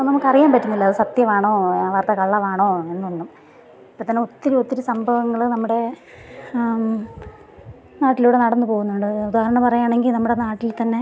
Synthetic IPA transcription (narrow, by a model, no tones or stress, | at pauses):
nɐmukːɐrijaːmpɐtːunːilːɐɐðɨsɐt̪jɐʋaːɳoːʋaːrt̪ːɐkɐɭːɐʋaːɳoːe̞nːuuɳɖːum | ipːot̪ɐnːeo̞t̪ːiɾuot̪ːiɾusɐmbʱɐʋɐŋːɐɭnɐmːuɽe̞ | naːʈːiluːɽe̞nɐɽɐnːɨpo̞ːɣunːuɳɖɨud̪aːhɐɾɐɳɐmpɐrɐjaːɳeŋɡilnɐmːuɽe̞naːʈːilt̪ɐnːe̞